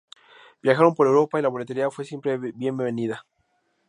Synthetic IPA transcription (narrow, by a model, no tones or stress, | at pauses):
b̥jaxaɾo̞mpo̞ɾe̞wɾo̞pailaβolet̪e̞ɾiafwe̞sje̞mpɾebje̞mbeβeniða